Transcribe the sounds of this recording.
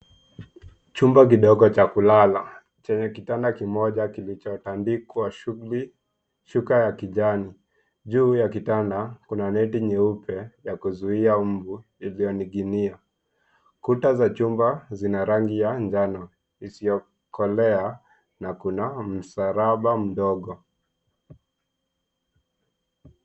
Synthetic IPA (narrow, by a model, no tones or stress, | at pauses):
t͡ʃumbak̬iɗɔɠɔt͡ʃakulala | t͡ʃɛɲɛkitandakimɔʄakilit͡ʃɔtandikwaʃuuli | ʃukajakiʄani | ʄuːjakitandakunanɛtiɲɛupʰɛjakuzuiam̩vu | ilijɔniɡinia | kutazat͡ʃumbazinaɾaŋɡijaɲd͡ʒanɔ | isijɔ | kʰɔlɛa | nakunam̩saɾaɓam̩ɗɔɠɔ